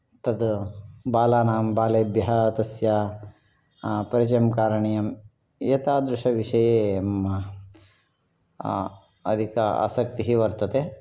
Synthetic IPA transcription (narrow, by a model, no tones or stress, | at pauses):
t̪ɐd̪baːlaːnaːmbaːleːbjɐɦɐt̪ɐsja | pɐɾit͡ʃjɐmkaːɾɐɳijɐm | jeːt̪aːd̪ɾuʂɐʋiʂɐjeːmːɐ | ɐ̰d̪ʱikɐa̰sɐkt̪iɦiʋɐɾt̪ɐt̪e